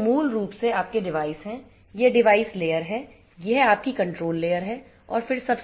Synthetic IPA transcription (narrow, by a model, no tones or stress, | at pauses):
muːlɾuːpseaːp̚keɖɪʋaːɪsɦɛ̃ | jeɖɪʋaːɪsleːjəɾɦɛː | jɛɦaːp̚kikɐ̃ɳʈɾoːlːeːjəɾɦɛ | ɔ̰ːɾfɪɾsɐbs